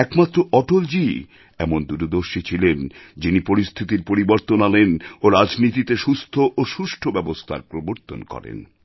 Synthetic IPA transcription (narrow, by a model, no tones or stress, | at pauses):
ɛkmat̪ːɾoɔʈold͡ʑi | ɛmond̪uɾod̪oɾʃit͡ɕʰilend͡ʑinipoɾist̪ʰit̪iɾpoɾiboɾt̪onalenoɾad͡ʑnit̪it̪eʃust̪ʰoʔoʃuʃʈʰobɛbost̪ʰa̰ɾpɾoboɾt̪o̰nkɔ̰ɾḛn